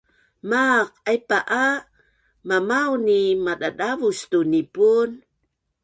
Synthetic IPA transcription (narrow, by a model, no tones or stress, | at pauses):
maq̚ajpaʔa | mamawnimadadavust̪unipun